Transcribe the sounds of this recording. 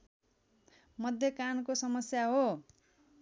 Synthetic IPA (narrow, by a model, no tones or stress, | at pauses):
mʌd̪ʱjʌkankosʌmʌsjaɦo